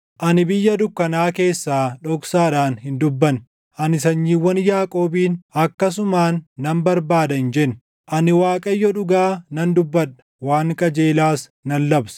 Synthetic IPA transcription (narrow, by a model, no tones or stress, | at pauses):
ʔɐnɪbɪjːɐd̪ʊkːɐnaːke̞ːsːaːᶑɔksaːᶑaːnhɪnd̪ʊbːɐn | ʔɐnɪsɐɲːiːwːɐnjaːkʼo̞ːbiːnɐkːɐs̬ʊmaːnːɐmbɐɾbaːd̪ɐɪnd͡ʒɛnː | ʔɐnɪwaːkʼɐjːɔᶑʊɡaːnɐnd̪ʊbːɐᶑɐ̥ | waːŋkʼɐd͡ʒe̞ːlaːsnɐnːɐbs